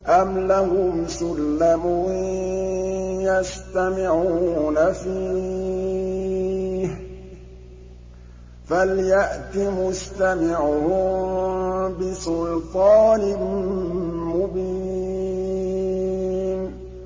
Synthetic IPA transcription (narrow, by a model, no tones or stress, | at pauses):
ʔamlahʊmsʊlːamʊ | jast̪amɪʕuuːnafiː | h | faljaʔt̪imʊst̪amɪʕʊhʊ | bɪsʊlt̪ˤɑːnɪ | mʊbi | n